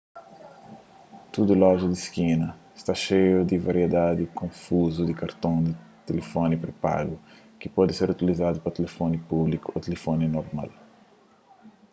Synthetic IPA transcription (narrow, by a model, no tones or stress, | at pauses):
t̪ud̪ulɔʒɐd̪iskinɐɪst̪aʃejʊd̪ɪvaɾied̪ad̪ɪkõfuzud̪ɪkaɾt̪õd̪ɪ | t̪elefonipɾepa̰ɡʊ | kɪpɔd̪ɪseɾut̪ilizad̪ʊpɐt̪elefonipublikʊot̪elefoninoɾma̰l